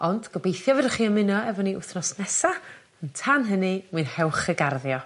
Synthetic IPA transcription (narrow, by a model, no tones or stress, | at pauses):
ɔndɡ̥ɔbejθjɔvɛdəχiːənmɪnɔɛvɔniʔʊθnɔsnɛsa | əntʰanɦənɨmwinhɛwχəɡarðjɔ